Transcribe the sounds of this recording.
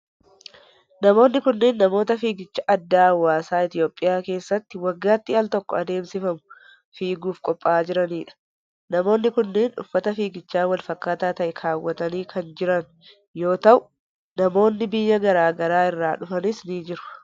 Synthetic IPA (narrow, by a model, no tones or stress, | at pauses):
nɐmo̞ːnːɪkʊnːeːnːɐmo̞ːt̪ɐfiːɡɪt͡ʃːɐʔɐd̪ːaːwːaːsaːɪt̪ɪjo̞ːpʼːɪjaːke̞ːsːɐt̪ːɪwɐɡːaːt̪ːɪɐlt̪ɔkːɔ̰ɐd̪e̞ːmsɪfɐmʊ̥ | fiːɡuːfkʼɔpʼːaːd͡ʒɪɾɐniːᶑɐ̥ | nɐmo̞ːnːɪkʊnːeːnᶑʊ̰fːɐt̪ɐfiːɡɪt͡ʃːaːnwɐlfɐkːaːt̪aːt̪ɐʔɛkʰaːwːɐt̪ɐniːkʰɐnd͡ʒɪɾɐn | jo̞ːt̪ɐʔʊ | nɐmo̞ːnːɪbɪjːɐɡɐɾaːɡɐɾaːɪrːaːᶑʊfɐnɪsniːd͡ʒɪɾʊ̥